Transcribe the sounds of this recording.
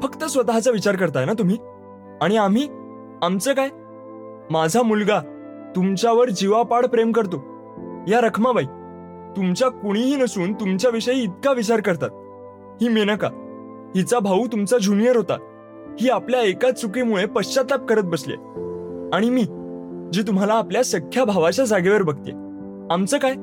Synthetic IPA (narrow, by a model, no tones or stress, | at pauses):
fəkt̪əsʋət̪aɦat͡saʋit͡ɕaɾkəɾt̪ajnat̪̬um̤iː | aɽ̃iam̤iː | amt͡səːkaj | mad͡zʱamulɡa | t̪umt͡ɕjaʋəɾd͡ʑiʋapaɽpɾemkəɾt̪o | jaɾəkʰmabai | t̪umt͡ɕjakuɽ̃iɦiːnəsuːnt̪umt͡ɕjaʋiʂəjiːt̪̚kaʋit͡ɕaɾkəɾt̪at̪̚ | hiːmenaka̰ | hit͡sabʱaut̪umt͡sad͡ʑunijəɾɦot̪a̰ | hiːapljaekat͡sukimuɭepəɕt͡ɕat̪ap̚kəɾət̪̚bəsljḛ | aɽ̃imiːd͡ʑiːt̪̬um̤alaːpljasəkʰjabʱaʋat͡ɕjad͡zaɡeʋəɾbəɡ̚t̪jḛ | amt͡səːkaj